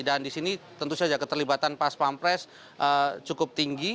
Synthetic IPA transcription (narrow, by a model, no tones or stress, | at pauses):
dandisinit̪ənt̪usad͡ʒakət̪ərlibat̪anpaspampɾɛs | ʔət͡ʃukʊp̚t̪iŋɡi